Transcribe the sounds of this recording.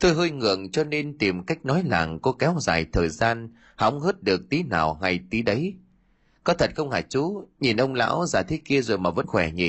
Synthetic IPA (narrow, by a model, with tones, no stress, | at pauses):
t̪o˧jɦəː˧jŋɨ̰˨˧˨əŋt͡ɕɔ˧ne˧nt̪i˨˩mka˦˥jk̟̚nɔ˨˦jla̰ː˨˩ŋkɔ˨˦kɛ˨˦wza̰ː˨˩jt̪ʰəː˨˩jzaː˧n | ha̰˨˦wŋ͡mɦəː˦˥t̚ɗɨ˨˩ək̚t̪i˨˦naː˨˩wŋa˧˩jt̪i˨˦ɗə˨˦j | kɔ˨˦t̪ʰə˨˩t̚xə˧wŋ͡mhaː˧˩jt͡ɕu˨˦ɲi˨˩nʔə˧wŋ͡mla̰ː˧˥wzaː˨˩jt̪ʰi˨˦ki˧əzo˨˩jmaː˨˩və̰˧˥nxwɛ˧˩ɲi˨˩